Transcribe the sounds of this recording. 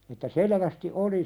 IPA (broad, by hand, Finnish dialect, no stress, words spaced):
etːæ seleʋæsti oli